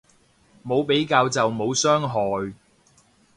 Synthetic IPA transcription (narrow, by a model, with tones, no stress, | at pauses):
mo˨˧wpe˨˥jkaː˧wt͡sɐ˨wmo˨˧wsœː˥ŋɦɔː˨˩j